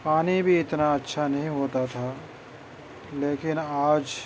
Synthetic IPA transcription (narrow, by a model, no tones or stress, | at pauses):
paːnibʱiɪt̪naɐtːʃʰanɐɦĩɦoːt̪at̪ʰaː | leːkɪnaːd͡ʒ